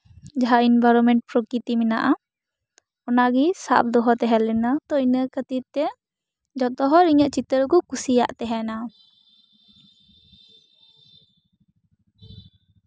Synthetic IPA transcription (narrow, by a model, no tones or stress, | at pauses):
d͡ʒaɦainbajɾɔmɛɳʈ̚pɾɔkɾit̪iminaʔa | ɔnaɡisa̰ʔp̚d̪ɔɦɔt̪ɛɦɛlɛnat̪ɔinəkət̪it̪ːɛ | d͡ʒɔt̪ɔɦɔɾiɲəʔt͡ʃit̪əɾkɔkusijaʔt̪ɛɦɛna